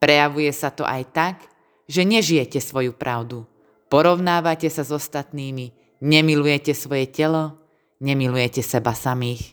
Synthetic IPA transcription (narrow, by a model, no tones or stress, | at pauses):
pɾɛjaʋujɛsat̪ɔ̰ʔajt̪ak | ʒɛɲɛʒijɛcɛsʋɔjupɾʔaʊd̪u | pɔɾɔʊnaːʋacɛsazɔst̪at̪niːmi | ɲɛmilujɛcɛsʋɔjɛcɛlɔ | ɲɛmilujɛcɛsɛbasamiːx